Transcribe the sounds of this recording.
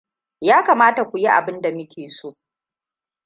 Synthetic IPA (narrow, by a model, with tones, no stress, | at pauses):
jaː˦kaː˨maː˦ta˨kʷu˨ji˦ʔa̰˨bɪ˦nda˨mɪ˦kʲeː˨soː˦